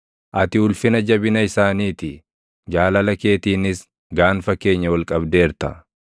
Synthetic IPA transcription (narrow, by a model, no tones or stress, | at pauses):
ʔɐt̪ɪʊlfɪnɐd͡ʒɐbɪnɐɪsaːniːt̪ɪ | d͡ʒaːlɐlɐke̞ːt̪iːnɪs | ɡaːnfɐkːe̞ːɲːɐwɐlkʼɐbd̪e̞ːɾt̪ɐ